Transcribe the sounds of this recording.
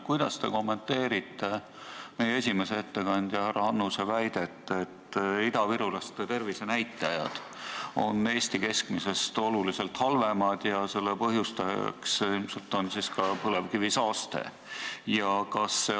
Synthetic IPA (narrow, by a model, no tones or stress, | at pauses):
kujd̪̥ɑst̪e̞̰ko̞mːe̞nt̪ːe̞ːɾit̪ːe̞ | me̞jee̞s̬ʲime̞seet̪ːe̞kɑnʲd̪̥jɑhærɑɑnːusevæjd̪̥e̞t̪ːˑet̪ːˑid̪ɑviɾulɑst̪et̪e̞rvise̞næjt̪ˑːɑjɑ̰d̪̥ | o̞̰nːe̞ːsʲt̪ike̞skmise̞st̪o̞lulise̞lt̪hɑlvemɑd̪̥jɑse̞lːepɤɦjust̪ɑjɑ̰ksilmse̞lt̪ˑo̞nsiskɑpɤle̞vkivisɑːst̪e̞̰ | jɑkɑsːe